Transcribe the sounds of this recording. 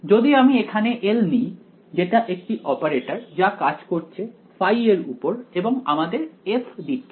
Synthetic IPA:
d͡ʑod̪iamiekʰaneʔelnij | d͡ʑeʈaʔek̚ʈiʔɔpaɾeʈaɾd͡ʑakad͡ʑkoɾt͡ɕʰe | fajeɾṵpoɾeboŋa̰mad̪eɾefd̪iʈ̚ːʰe

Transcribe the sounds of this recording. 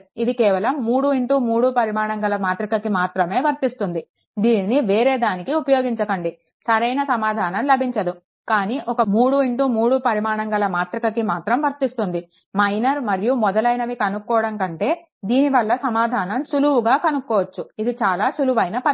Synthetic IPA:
id̪ikɛːʋɐlɐmːuːɽuiɳʈuːmuːɽupɐɾimaːɳɐŋɡɐlɐmaːt̪ɾikɐkimaːt̪ɾɐme̞ːʋɐɾt̪ist̪und̪i | d̪iːnːiʋeːɾe̞ːd̪aːnikiupɐjoːɡiɲt͡ʃɐkɐɳɖi | sɐɾɐjnɐsɐmaːd̪ʱaːnɐmlɐbʱiɲt͡ʃɐd̪u | kaːniːʔɔkɐmuːɽuiɳʈuːmuːɽupɐɾimaːɳɐŋɡɐlɐmaːt̪ɾikɐkimaːt̪ɾɐmʋɐɾt̪ist̪und̪i | mɐjnɐɾmɐɾijumɔd̪ɐlɐjnɐʋikɐnukːɔːɐɽɐŋkɐɳʈe̞ː | d̪iːniʋɐlːɐsɐmaːd̪ʱaːnɐmʃuluʋuɡaːkɐnukːɔːʋɐt͡ʃːuid̪it͡ʃaːlaːʃuluʋɐjnɐpɐ

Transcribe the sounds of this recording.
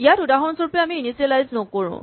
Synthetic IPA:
ijatudaɦɔnsɔɹpeamiinisielajznɔkoɹṵ̃

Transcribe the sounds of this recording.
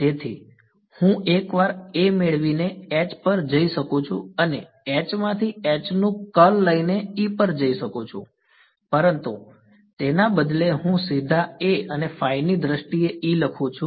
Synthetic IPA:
t̪et̪ʰi | hũʔekʋaɾemeɭʋineɛt͡ʃpəɾd͡ʒəiʃəkũt͡ʃʰṵəne | ɛt͡ʃmãt̪ʰiɛt͡ʃnũkəlːəineipəɾd͡ʒəiʃəkut͡ʃʰṵ̃ | pəɾənt̪ṵ | t̪enabəd̪leɦũsid̪ʱaeənefainid̪ɾəʃʈieiləkʰũt͡ʃʰũ

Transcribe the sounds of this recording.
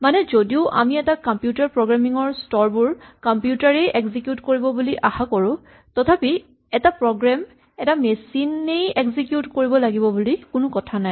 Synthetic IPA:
manɛzodiʊʔa̰miɛtakɔmpjutaɹpɹɔɡɹamiŋɔɹstɔɹbuɹkɔmpjutaɹejʔeɡzikjutkoɹibɔbuliʔaxakɔɹʊ̃ | tɔtʰapi | ɛtapɹɔɡɹam | ɛtamesinejeɡzikjutkoɹibɔlaɡibɔbulikʊnʊkɔtʰanaj

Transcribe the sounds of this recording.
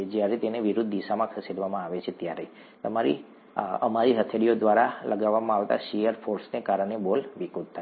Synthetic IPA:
d͡ʒjaɾet̪eneʋiɾud̪ʱd̪iʃamãkʰəsiɽʋamãaʋet͡ʃʰet̪jaɾe | t̪əmaɾḭ | ə̰maɾiɦət̪ʰeɽiod̪ʋaɾaləɡaʋːamãaʋt̪a̰ʃijəɾfoɾsnekaɾəɳebolʋikut̪̚t̪ʰːa

